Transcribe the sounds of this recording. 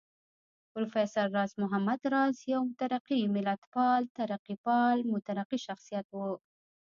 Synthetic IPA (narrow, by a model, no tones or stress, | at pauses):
pɾufesɑɾːɑːsmʊɦamːad̪ɾˤɑzjawmʊt̪aɾɑqːimɪlʔat̪fɑːlt̪aɾɑqːipɑːlmʊt̪aɾɑqːiʃɑxsˤɨjat̪wu